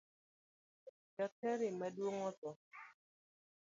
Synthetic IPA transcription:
d͡ʒatɛɾɪmadwoŋɔtɔ

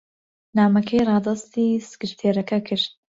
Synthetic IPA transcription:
naːmɐkʰɛjrɑːd̪ɑst̪iːsɨ̥kɨɾt̪ʰeːɾɐkʰɐkʰɨɾt̪̚

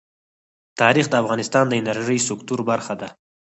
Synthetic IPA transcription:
t̪ɑɾixd̪əafɣɑnɪst̪ɑnd̪əɪnaɾʒəjsʊkt̪uɾbaɾxad̪a

